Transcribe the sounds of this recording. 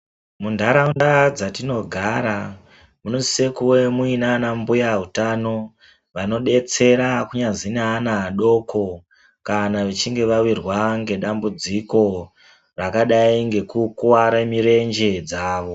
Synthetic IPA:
mundʱaɾaundad͡zatino̞ɡʱaɾa | munozisekuwe̞muinanambujaɦutano̞ | ʋano̞ɗe̞t͡se̞ɾakuɲazineanaːɗo̞kʰo̞ | kanaʋet͡ʃiŋɡe̞ʋawirwaŋɡe̞ɗambud͡ziko̞ | rakaɗaiŋɡe̞kukuwaɾamiɾe̞nd͡ʒe̞d͡zaːʋo̞

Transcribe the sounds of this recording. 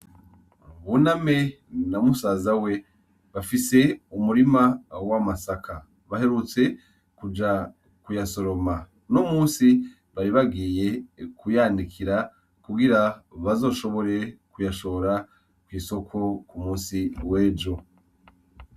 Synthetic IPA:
βuname̞ | namusazawe̞ | βafise̞umuɾimawamasakʰa | βahe̞ɾut͡se̞ | kud͡ʒa | kujaso̞ɾo̞ma | nomuːnsi | βaɾiβaɡiːje̞kʰujandikʰiɾa | kuɡiɾaβazo̞ːʃo̞βo̞ɾe̞kujaʃo̞oɾa | kwiːso̞kʰo̞kumuːsiweːd͡ʒo̞

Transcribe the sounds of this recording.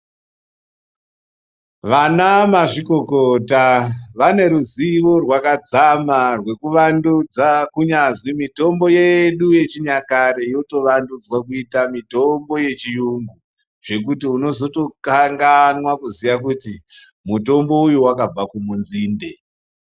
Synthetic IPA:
ʋanamaʐiko̞kotaʋane̞ɾuziʋo̞rwakad͡zamarwe̞kuʋandud͡zakuɲazwimito̞mbo̞je̞ɗuje̞t͡ʃiɲakaɾeijoto̞ʋandud͡zwakuitamitombo̞je̞t͡ʃijuŋɡu | ʐ̥e̞kutiuno̞zo̞to̞kaŋɡanwakuzijakuti | muto̞mbo̞ujuwakab͡vakumunziːnde̞

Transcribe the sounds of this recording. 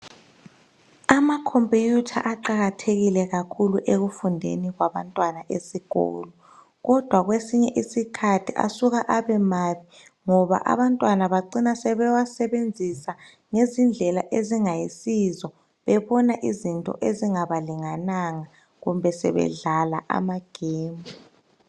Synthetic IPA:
amakʰompʼijutʰa̰ʔaǃaɣatʰeɣilɛɣakʰuluʔeɣufundʱḛniɣwaβantʼwanaʔesiɣ̥ʱɔ̰ːlɔ | ɣɔd̥ʱwaɣwesiɲɛʔisikʰatʰiʔa̰suɣaʔaβɛmaːβi | ŋɔβa̰ʔa̰βantʼwanaβaǃinasɛβɛwasɛβend͡zʱisa | ŋezind͡ɮʱɛlaʔeziŋajisizɔ | βɛβɔnaʔizintʼɔ̰ʔeziŋaβaliŋanaŋa | ɣumbʱɛsɛ̰βɛ̰ɮalaʔa̰maɡ̥ʱeːmu

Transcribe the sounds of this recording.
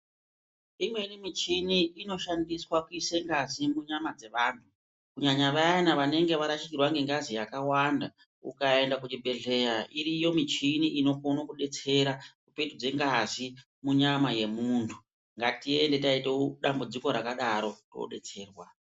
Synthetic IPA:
imwe̞nimit͡ʃiniːno̞ʃandiswakuiseŋɡazimuɲamad͡ze̞ʋaːntʰu | kuɲaɲaʋaanaʋane̞ŋɡe̞ʋaɾaʃikirwaŋɡe̞ŋɡazijakawanda | ṵkae̞ndak̬uɗibʱe̞ɮe̞ɾaʔiɾijo̞mit͡ʃiniʔino̞konokuɗe̞t͡se̞ɾakupetud͡ze̞ŋɡazi | muɲamaje̞muntʰu̥ | ŋɡatie̞nde̞taiteɗambud͡ziko̞ɾakaɗaɾo̞to̰ɗe̞̰t͡se̞ːrwa

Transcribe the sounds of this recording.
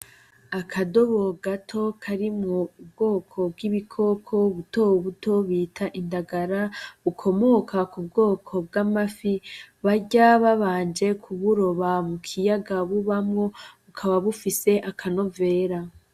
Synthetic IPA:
akʰado̞βo̞ɡatʰo̞kʰaɾimŋoub̚ɡo̞ːkʰo̞b̚ɡiβikʰo̞kʰo̞βutoβuto̞βiːtʰaʔindaɡaɾaβukʰo̞mo̞ːkʰakub̚ɡo̞ːkʰo̞b̚ɡamafiβaɟaβaβaːnd͡ʒe̞kʰuβuɾo̞βamukʰijaɡaβuβamŋo̞βukʰaβaβufise̞ʔakʰano̞ve̞ːɾa

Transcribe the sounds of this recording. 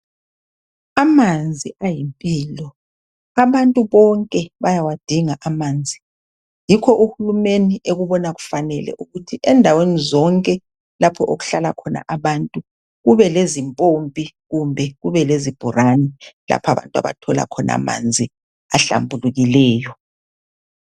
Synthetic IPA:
amand͡zʱiajimpʼiːlɔ | aβantʼuβɔŋkʼɛβajawad̥ʱiŋaʔamand͡zʱi | jikʰɔʔuhulumeniʔeɣuβɔnaɣu̥fanɛlɛ̰ʔuɣutʰiʔɛndʱawenizɔŋkʼɛ | lapʰɔʔoɣu̥ɬalakʰɔna̰ʔaβantʼu | ɣuβɛlezimpʼompʼiɣumbʱɛɣuβɛlezib̥ʱuranila̰pʰa̰βa̰ntʼa̰βa̰tʰɔla̰kʰɔna̰ma̰nd͡zʱi | aɬa̰mbʱuluɣilɛːjɔ

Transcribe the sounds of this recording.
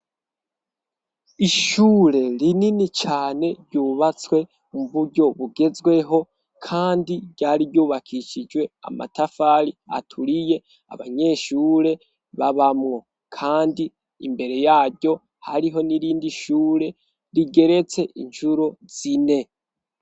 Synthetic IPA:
iʃuːɾe̞ɾininit͡ʃaːne̞ɾɟuːβat͡swe̞ | muβuɟo̞βuɡe̞zwe̞ɦo̞ | kʰaːndiɾɟaːɾibɟuːβakʰiʃid͡ʒwe̞a̰ma̰tafaɾia̰tʰuɾije̞ | a̰βaɲe̞ʃuːɾe̞ | βaβamŋo̞ | kʰaːndiː | mbe̞ɾe̞jaːɟo̞ | haɾiɦo̞niɾiːndiʃuːɾe̞ | ɾiɡe̞ɾe̞t͡se̞ʔiɲʃuɾoz̥ine̞

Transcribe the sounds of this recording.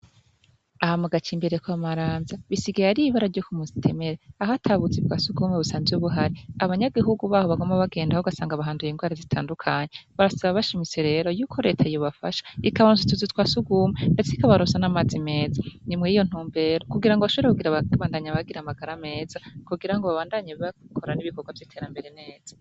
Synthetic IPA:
ahamuɡat͡ʃiːmbeɾekwamaɾaːnzaβisiɡaaɾiiβaɾaɾɟokumuzi̥tʰe̞me̞ɾe̞ahatʰaβut͡sibɡasuɡuːmeβusaːnzeuβuɦaɾiaβaɲaɡiɦuɡuβaːho̞βaɡo̞maβaɡe̞ːndahoɡasaːŋɡaβaɦaːndujeŋɡwaːɾazitʰa̰ːndukʰaːɲe̞βaɾasaβaβaʃimise̞ɾe̞ːɾo̞juːkʰo̞ɾe̞tʰaijoβafaʃḁikaβaɾusatuzitwasuɡuːmendet͡seikaβaɾunsanamaːzime̞ːzanimwejijo̞n̥uːmbe̞ːɾo̞kuɡiɾaŋɡoβaʃoβeɾekuɡiɾaβaːndaɲaβaɡiɾamaɡaɾame̞ːzakuɡiɾaŋɡoβaβaːndaɲeβakʰoɾaniβikoɡwavjitʰe̞ːɾambe̞ɾe̞ne̞ːz̥ḁ

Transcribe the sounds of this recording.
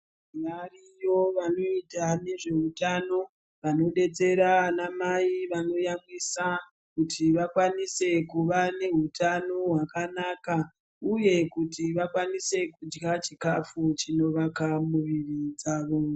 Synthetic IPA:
imarijo̞ʋano̞itane̞ʐe̞utano̞ | ʋano̞ɗe̞t͡se̞ɾaanamaiʋano̞jamwisa | kutʰiʋakwanise̞kuʋane̞ɦutano̞ɦwakanaka | uje̞kutiʋakwanise̞kud͡ʒɡat͡ʃikafut͡ʃino̞ʋakamuʋirid͡zaːʋo̞

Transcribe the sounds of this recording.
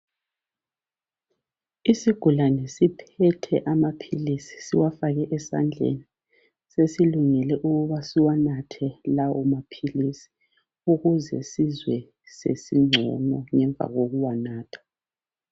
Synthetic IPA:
isiɡ̥ʱulanɛsipʰɛtʰɛʔamapʰilisi̥siwafaɣɛʔɛsa̰nd͡ɮʱḛni | sesiluŋɛlɛʔuɣuβasiwanatʰɛlawɔmapʰilisi̥ | uɣuzɛ̰sizwɛ | sḛsiŋ͡ǀʱɔ̰nɔŋɛɱb̪vʱa̰ɣoɣuwanaːtʰḁ

